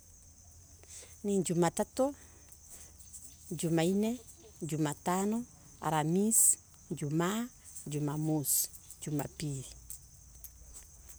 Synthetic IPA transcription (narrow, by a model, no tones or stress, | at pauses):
niŋd͡ʒumatato | d͡ʒumaine | d͡ʒumatanɔ | a̰ɾamis | d͡ʒuma | d͡ʒumamus | d͡ʒuma̰pi